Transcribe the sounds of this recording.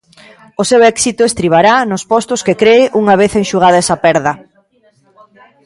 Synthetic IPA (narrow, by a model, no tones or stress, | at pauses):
ʊsewɛksit̪ʊest̪ɾiβaɾanʊspɔst̪ʊskekɾeɪʔuŋɐβ̞eθeŋʃuɣ̞aðɐɛsɐpɛɾðɐ